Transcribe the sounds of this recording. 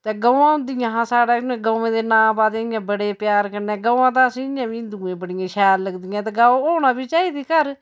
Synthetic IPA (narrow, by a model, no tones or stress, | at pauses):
t̪eːɡəːʋãːʊ̃nd̪ɪjãːɦãːsaːɽaːnẽːɡoːẽːd̪eːnãːpaːt̪ẽːɪjãːbəɽeːpjaːɾkəɾneːɡəːãːt̪̬ãːsĩːɪjãːbiːnd̪uːẽːbəɽɪjãːʃɛːɾləɡd̪ɪjãːt̪eːɡaːooːnaːbiːt͡ʃaːiːd̪iːkəɾ